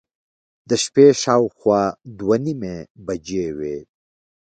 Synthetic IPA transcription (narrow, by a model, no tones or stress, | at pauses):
d̪əʃpeʃɑwxwɑd̪wanimebad͡ʒewe